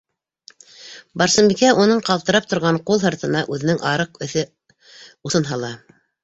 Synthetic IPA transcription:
bɑɾsɤ̆mbikæʔunɤɴqɑlˠt̪ɤ̆ɾɑp̚t̪ŏɾʁɑɴqulˠɦɤ̆ɾt̪ɤ̆nɑʔʉðɘ̆nɘŋʔɑɾɤqɵ̆θɘ | uθɤ̆nɦɑlˠɑ

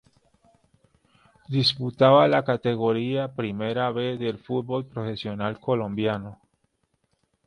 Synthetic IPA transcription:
d̪isput̪aβalakat̪e̞ɣo̞ɾiapɾime̞ɾaβe̞zðe̞lfut̪̚bo̞lpɾofe̞sjo̞nalko̞lo̞mbjano

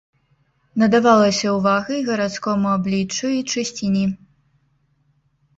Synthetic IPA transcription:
nɐd̪avalˠɐsʲɐwvaɣɐjɣɐɾat̪skɔmuablʲit͡ʂːuit͡ʂɨsʲt͡sʲinʲi

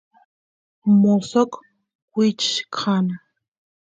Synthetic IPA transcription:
mosok | wʷit͡ʃkʰana

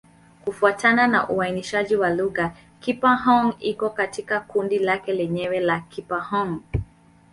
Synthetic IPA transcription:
kufuatanana̰ʔuainiʃaʄiwaluɣa | kipaɦɔŋikɔkatikakundilakɛlɛɲɛwɛlakʰipahɔŋ

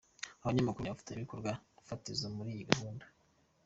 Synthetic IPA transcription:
aβaɲamakuɾβafi̥teβikoɾɡwafatizomuɾiːjiɡahuːndḁ

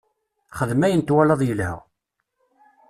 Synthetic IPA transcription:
χəðmæjənt̪wælɑðˤjəlhæ̰ʁ

